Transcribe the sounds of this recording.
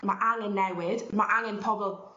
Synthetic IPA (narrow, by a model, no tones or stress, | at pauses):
maʔaŋɪnːɛwɪd̥maʔaŋɪnpʰɔbɔlˠ